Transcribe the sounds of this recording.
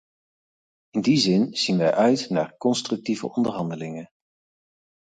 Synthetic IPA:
ɪndizɪnz̥inʋɛjʔœɥtna̰ːɹkɔnstrɵk̚tivə̰ɔndəɹɦɑndəlɪŋə

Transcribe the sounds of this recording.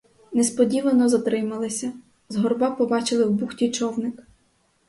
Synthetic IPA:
nɛspɔdʲiʋɐnɔzɐt̪ɾɪmɐlˠɪsʲɐ | zɦɔrbɑpɔbɑt͡ʃɪlˠɪwbuxtʲit͡ʃɔwnɪk

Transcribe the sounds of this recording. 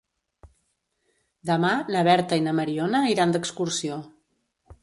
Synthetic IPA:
d̪əmanəβɛɾt̪əinəməɾionəiɾand̪əkskuɾsio

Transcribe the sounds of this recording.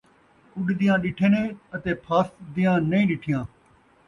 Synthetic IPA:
kʊɗd̪ɪjãːɗɪʈʰeːnẽːət̪eːpʰaːsd̪ɪjãːnəĩːɗɪʈʰɪjãː

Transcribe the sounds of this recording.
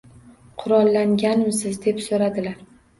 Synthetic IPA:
qʰʊɾɒlˠːaŋɡʲanɪmsɪzd̪e̞psoɾad̪ɪlaɾ

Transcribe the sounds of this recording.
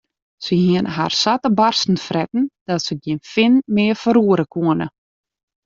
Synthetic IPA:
səhiənɦa̰rsatəbarsn̩frɛtn̩d̥ɔtsəɡjinfɪnmɪəfəɾuəɾəkʰuənə

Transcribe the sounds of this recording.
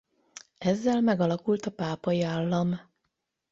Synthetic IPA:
ɛzːɛlmɛɡɒlɒkult̪ɒpaːpɒjiaːlːɒm

